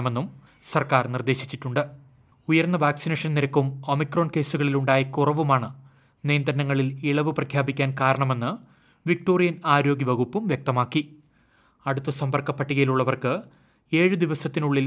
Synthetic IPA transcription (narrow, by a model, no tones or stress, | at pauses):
ɐme̞nːum | sɐrkaːrnird̪e̞ːɕi̥t͡ɕːiʈːuɳɖɨ | ujɐrnːɐʋaːksineːʂɐnniɾɐkːumo̞mikroːnke̞ːsuɣɐɭiluɳɖaːjɐkurɐʋumaːɳɨ | nijɐnd̪ɾɐnɐŋːɐɭiliɭɐʋɨprɐkʰjaːbikʲːaːnkaːɾɐɳɐme̞nːɨ | ʋik̚ʈo̞ːrijɐnaːɾo̞ːɡjiʋɐɣupːumʋjek̚t̪ɐmaːkːi | ɐɽut̪ːʋɐsɐmbɐrkɐpːɐʈːiɣɐjiluɭːɐʋɐrkɨ | e̞ːɻud̪iʋɐsɐt̪ːinuɭːil